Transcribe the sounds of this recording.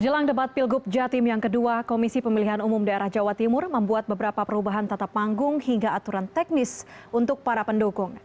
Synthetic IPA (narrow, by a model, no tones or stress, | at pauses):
d͡ʒəlaŋdəpat̪̚pɪlɡup̚d͡ʒat̪ɪmjaŋkəduakomisipəmiliɦanumʊmdaeɾahd͡ʒawat̪imʊrməmbuat̪̚bəbəɾapapəɾubaɦant̪at̪apːaŋɡʊŋhiŋɡaːt̪uɾant̪ɛk̚nɪsunt̪ʊk̚paɾapəndukʊŋ